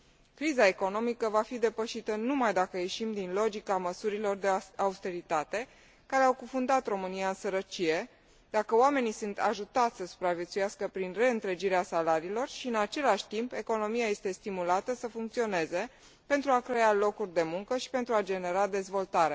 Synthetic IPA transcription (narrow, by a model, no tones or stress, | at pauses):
kɾizae̞ko̞no̞mikəvafid̪e̞pəʃit̪ənumajd̪akəje̞ʃimd̪inlo̞d͡ʒikaməsuɾilo̞rd̪e̞aust̪e̞ɾit̪at̪e̞ | kaɾe̞awkufund̪at̪ro̞mɨniaɨnsəɾət͡ʃije̞ | d̪akəoame̞nisunt̪aʒut̪at̪sʲsəsu̥pɾavjet̪sujaskəpɾinre̞ɨnt̪ɾe̞d͡ʒiɾeasalaɾiːlo̞rʃiɨnat͡ʃe̞laʃʲt̪impe̞ko̞no̞miaje̞st̪e̞st̪imulat̪əsəfuŋk̚t̪sio̞ne̞ze̞ | pe̞nt̪ɾuakɾe̞alo̞kurʲd̪e̞muŋkəʃi̥pe̞nt̪ɾuad͡ʒe̞ne̞ɾad̪e̞zvo̞lt̪aɾe̞